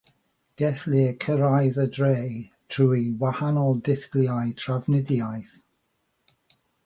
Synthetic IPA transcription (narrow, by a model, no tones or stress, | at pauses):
ɡ̥ɛθlɪkʰəɾajðədrej | tʰruːiwahanɔlˠdɪθɡljajtʰravnɪdjajθ